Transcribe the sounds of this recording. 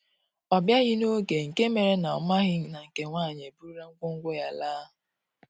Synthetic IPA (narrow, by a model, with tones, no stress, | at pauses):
ɔ˨bja˦ɣɪ˦no˦ɡe˨ŋ̩˨ke˦me˨ɾe˦na˨ɔ˨ma˦ɣɪ˦ŋ˦na˨ŋ̩˨ke˨ŋʷaː˦˨ɲe˨bu˦ɾa˦ŋ̩˦ɡʷʊ˦ŋ̩˦ɡʷo˦ja˦laː˦ɦʊ˨